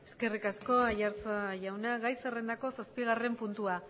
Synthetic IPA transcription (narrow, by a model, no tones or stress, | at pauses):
e̞ske̞rikasko̞ajaɾt͡saʝawnaɣajsere̞nd̪ako̞saspiɣ̞are̞mpunt̪ua